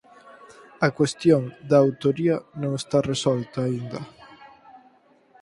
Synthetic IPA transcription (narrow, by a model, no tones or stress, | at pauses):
ɐkwest̪joŋd̪aːwt̪oɾiɐnõŋest̪aresɔlt̪aːind̪ɐ